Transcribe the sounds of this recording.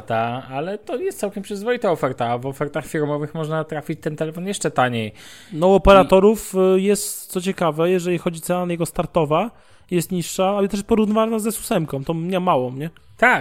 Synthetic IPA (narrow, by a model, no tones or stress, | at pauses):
t̪aalɛt̪ɔjɛst̪sawkʲɛmpʂɨzvɔit̪aɔfɛɾt̪avɔfɛɾt̪axfʲiɾmɔvɘxmɔʐnat̪ɾafʲit͡ɕt̪ɛnt̪ɛlɛfɔnjɛʂt͡ʂɛt̪aɲejnɔɔpɛɾat̪ɔɾufjɛst̪sɔt͡ɕɛkavɛjɛʐɛlʲixɔd͡ʑit̪sɛwanajɛɡɔst̪aɾt̪ɔva | jɛst̪ɲiʂːaalɛt̪ɛʂpɔɾuvnɨvanazɛsu̥sɛmkɔ̃w̃t̪ɔ̃wɲamawɔ̃mɲɛ | t̪a